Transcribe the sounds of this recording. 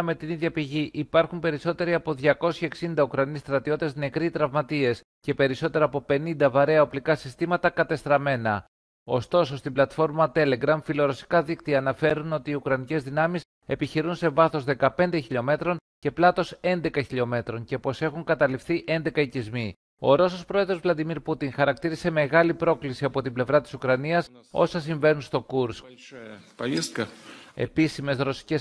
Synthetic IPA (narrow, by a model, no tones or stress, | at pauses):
me̞t̪iniðʝɐpiʝiʔipɐɾxumpe̞ɾiso̞t̪e̞ɾiɐpo̞ðʝɐko̞sçe̞ksind̪ɐukɾɐnist̪ɾɐt̪io̞t̪e̞zne̞kɾit̪ɾɐvmɐt̪ie̞s | ce̞pe̞ɾiso̞t̪e̞ɾɐːpo̞pe̞nind̪ɐvɐɾe̞ɐoplikɐsi̥st̪imɐt̪ɐkɐt̪e̞st̪ɾɐme̞nɐ | o̞st̪o̞so̞st̪iblɐt̪fo̞ɾmɐt̪e̞le̞ɡɾɐmfilo̞ɾo̞si̥kɐðikt̪iɐːnɐfe̞ɾuno̞t̪iːukɾɐnice̞zðinɐmis | e̞piçiɾunse̞vɐθo̞zðe̞kɐpe̞nd̪eçiʎo̞me̞t̪ɾo̞nce̞plɐt̪o̞se̞nd̪e̞kɐçiʎo̞me̞t̪ɾo̞ɲce̞po̞se̞xuŋkɐt̪ɐlifθiʔe̞nd̪e̞kɐicizmi | o̞̰ɾo̞so̞spɾo̞eðɾo̞zvlɐd̪imiɾput̪iŋxɐɾɐk̚t̪iɾise̞me̞ɣɐlipɾo̞klisiɐpo̞t̪imble̞vɾɐt̪i̥sukɾɐniɐs | o̞̰sɐs̬iɱve̞nunst̪o̞kuɾsk | e̞̰pisime̞sɾo̞si̥ce̞s